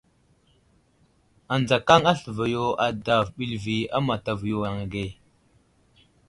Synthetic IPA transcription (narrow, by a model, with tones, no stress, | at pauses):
a˨nd͡za˨ka˦ŋa˦ɬə˨va˨jo˨a˨da˨vɓi˨lvi˨a˦ma˨ta˨vjo˨wa˨ŋa˨ɡe˦˨